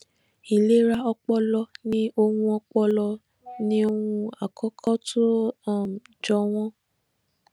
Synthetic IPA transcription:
i˨le˨˦ɾa˧ɔ˧k͡pɔ˧lɔ˧nĩ˦o˧hũ˧ɔ˧k͡pɔ˧lɔ˧ | nĩ˦o˧hũ˧a˨kʰɔ˦kʰɔ˦tʰu˦ã˦˨m˨d͡ʒɔ˧w̃ɔ̃˦

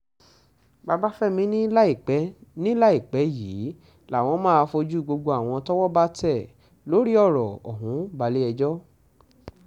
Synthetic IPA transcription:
ba˧ba˦fɛ˦˨mĩ˨˦nĩ˦i˨k͡pɛ˨˦nĩ˦la˦i˦˨k͡pɛ˨˦jiː˨˦ | la˨w̃ɔ̃˧˦mãː˦a˧fo˧d͡ʒu˦˨ɡ͡bo˧ɡ͡bo˧a˨w̃ɔ̃˧tɔ˦wɔ˦ba˦tɛ˦˨ | lo˨˦ɾi˦ɔ˦˨ɾɔ˨ɔ̰˨ɦũ˨˦ba˧˦li˦ɛ˧d͡ʒɔ˦

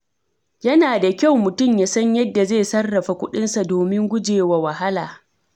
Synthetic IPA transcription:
jɐ˦naː˨da˨kʲa˦wmʊ˨tʊ˦˨mjaː˨sɐ˦ɲjɐ˦dːa˨zeː˦˨sɐ˦rːɐ˨ɸa˨kʷʊ˦ɗɪ˦nsa˨doː˨mɪ˦ŋɡʷʊ˦d͡ʒeː˨wa˨wɐ˨ɦa˦laː˨

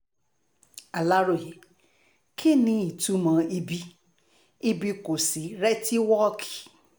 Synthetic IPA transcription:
a˨la˦ɾo˨ɦe˨ | kʰi˦nĩ˨i˨tu˦mã˧˦i˦bi˦ | i˦bi˦ko˨si˨ɾɛ˦ti˦wɔ˦kʰi̥˨

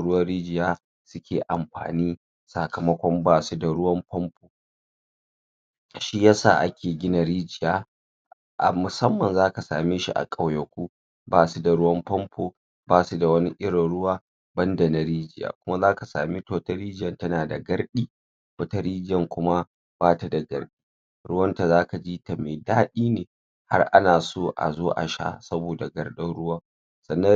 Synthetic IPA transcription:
ɽʊ˦wɐ˦ɽiː˦d͡ʒɪ˨jaː˦ | sʊ˦kʲʰeː˨ʔa˨mɸa̰ː˨niː˦ | sa˨kɐ˨mɐ˦kʷɔ˦mbaː˦su˦da˨ɽʊ˦wɐ˦mpɔ˦mpʰoː˨ | ʃi˦jɐ˦sa̰ː˨ʔa̰˦kʲʰeː˨ɡʲɪ˦na˨ɾiː˦d͡ʒɪ˨jaː˦ | ʔmʊ˨sɐ˦mːɐ˨nzaː˦ka˨sa̰ː˨meː˦ʃḭ˦ʔa̰˨kʼa˨wjɐ˨kʷu˦ | baː˨su˦da˨ɽʊ˦wɐ˦mpɔ˦mpʰoː˨ | baː˦˨su˦da˨wɐ˦ni˦ʔɪ˦ɾɪ˨nɽʊ˦waː˦ | bɐ˦ndɐ˨na˦ɾiː˦d͡ʒɪ˦ja̰ː˨kʷʊ˦ma˦zaː˦ka˨sa̰ː˨miː˦to˦wtɐ˦ɾiː˦d͡ʒɪ˦ɐ˨ntɐ˦naː˨da˨ɡɐ˦ɽɗiː˦ | wɐ˦ta˦ɾiː˦d͡ʒɪ˦jɐ˨ŋkʷʊ˦ma˦ | b̥aː˦ta˨da˨ɡɐ̰˨rɗiː˦ | ɽʊ˦wɐ˦nta˨zaː˦ka˨d͡ʒiː˦ta˨meː˨daː˦ɗiː˦neː˨ | ha˦rʔa̰˦naː˨soː˦ʔa̰˨zoː˦ʔa̰˨ʃa̰˦sɐ˦boː˨da˨ɡɐ˦rɗɐ˦nɽʊ˦waː˦ | sɐ˨nːɐ˦

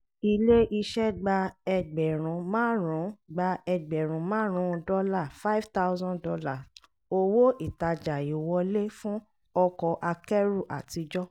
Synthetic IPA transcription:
i˧le˦ʔi˧ʃɛ˦ɡ͡ba˧ɛ˧ɡ͡bɛ˨ɾ̃ũ˨mãː˦ɾũ˨˦ɡ͡ba˧ɛ˧ɡ͡bɛ˨ɾ̃ũ˨mãː˦ɾ̃ũ˨˧˦dɔ˦la˦˨fa˦i˦vta˦zɔ̃˦dɔ˧la˦˨ | o˧wo˦i˦˨ta˨d͡ʒa˨i˨wɔ˧˦le˦fũ˦ | ɔ˧kɔ˧ʔa˧kɛ˦ɾu˦˨ʔa̰˨ti˨˦d͡ʒɔ˦

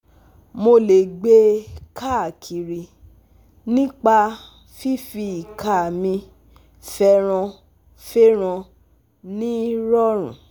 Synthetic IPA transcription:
mo˧le˨ɡ͡be˧˦kʰa˦˨kʰi˨ɾi˨ | nĩ˦k͡pa˧ | fi˦fi˧i˨ka˦˨mĩ˧ | fɛ˧ɾ̃ɔ̃˧ | fe˦ɾ̃ã˧ | nĩ˦ɾɔ˦ɾ̃ṵ̃˨

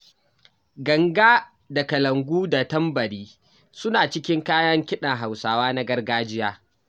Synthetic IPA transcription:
ɡɐ˨ŋɡaː˦ | da˨kɐ˨lɐ˨ŋɡʷuː˦da˨tɐ˦mbɐ˨ɽiː˦ | sʊ˦naː˨t͡ʃɪ˦kʲɪ˦ŋkaː˦jɐ˦ŋkʲɪ˦ɗɐ˨ŋɦa˨wsaː˨waː˦na˦ɡɐ˦rɡaː˦d͡ʒɪ˦jaː˦

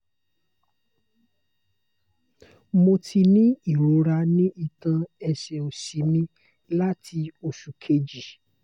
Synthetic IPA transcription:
mo˧tʰi˧nĩ˦i˦˨ɾo˨˦ɾa˧nĩ˦i˧tã˧ɛ˧ʃɛ˧o˨si˨˦mĩ˦ | la˦tʰi˧o˧ʃu˨kʰe˧d͡ʒi˨

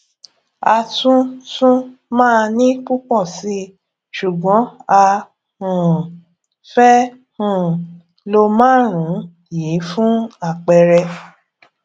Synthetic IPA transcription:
a˧tũ˦tũ˦mãː˦˨˧nĩ˦k͡pu˦k͡pɔ˦˨si˨˦ | ʃu˨ɡ͡bɔ̃˨˦a˧ | hũ˨ | fɛ˦ | hũ˨ | lo˧mãː˦˨ɾ̃ũ˨˦ | jiː˨˦fũ˦a˦˨k͡pɛ˧ɾɛ˧

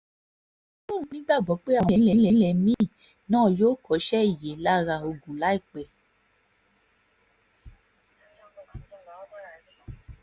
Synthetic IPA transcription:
mũ˦˨˦nĩ˦ɡ͡ba˦˨ɡ͡bɔ˨˦k͡pe˦a˨w̃ɛ˨˦lɛ˧˦lɛ˦lɛ˧mĩ˦˨ | nãː˦˨joː˦kɔ˨˦ʃɛ˦i˦˨je˨˦la˦ɾa˧˨o˧ɡũ˨la˨˦i˦˨k͡pɛ˨

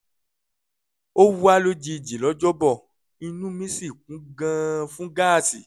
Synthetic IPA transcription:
o˦wu˦a˦lo˦d͡ʒi˧˨d͡ʒi˨lɔ˨˦d͡ʒɔ˦bɔ˦˨ | i˧nũ˦mĩ˦si˦˨k̚ũ˨˦ɡã˦fũ˦ɡa˦˨ti˨

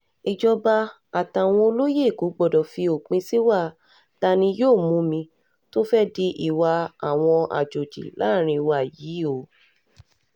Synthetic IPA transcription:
i˨d͡ʒɔ˧ba˧ | a˨ta˨w̃ɔ̃˧o˧lo˦je˦˨ku˨˦ɡ͡bɔ˨dɔ˨fi˧o˨k͡pĩ˧si˦wa˦˨ | ta˧nĩ˧joː˦˨mũ˨˦mĩ˧ | to˦fɛ˦di˧ʔi˦˨wa˧a˨w̃ɔ̃˧ʔa̰˨d͡ʒo˨d͡ʒḭ˨la̰˦˨ɾ̃ĩ˧wa˦˨ji˨˦o˨

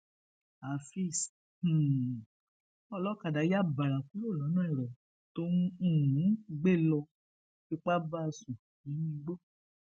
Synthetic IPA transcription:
a˨fi˦˨s̩˨ | ɔ˦˨lɔ˦ka˨da˨˦ja˦ba˨ɾa˨ku˨˦lo˦˨lɔ̃˨˦nãː˦i˨ɾɔ˨ | to˦nũ˦˨ũ˨˦ɡ͡be˦˨lɔ˧ | fi˧k͡pa˦ba˦˧sũ˨ | ji˨˦nĩ˧˦ɡ͡bo˦

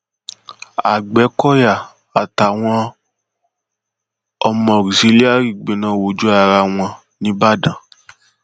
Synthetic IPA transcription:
a̰˨ɡ͡bɛ˨˦kɔ˦ja˦˨ | a˨ta˨w̃ɔ̃˧ | ɔ˧mɔ̃˧˨ɾi˨si˨˦li˦a˦˨ɾi˨ɡ͡be˨nã˨˧wo˨d͡ʒu˨˦a˦˧˨ɾa˧w̃ɔ̃˧ | nĩ˨˦ba˦˨dã˨

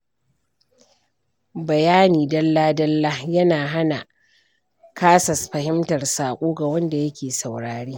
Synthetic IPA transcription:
bɐ˨jaː˦niː˨dɐ˦lːaː˦dɐ˦lːaː˦jɐ˦naː˨ɦa˦na˨ | kʰaː˦sɐ˨sɸɐ˨hɪ˦mtɐ˨rsaː˨kʷʼuː˦ɡa˨wɐ˦nda˨jɐ˦kʲeː˨sa˨wɽaː˨ɽiː˦

